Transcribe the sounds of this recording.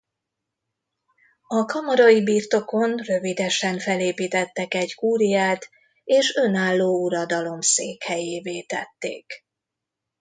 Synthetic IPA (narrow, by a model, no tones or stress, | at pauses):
ɒkɒmɒɾɒjibiːrt̪o̞ko̞nrø̞vid̪ɛʃɛɱfɛleːpiːt̪ɛt̪ːɛkɛɟkuːɾijaːt̪ | eːʃø̞naːlːoːuɾɒd̪ɒlo̞mseːkhɛjeːveːt̪ɛ̰t̪ːḛːk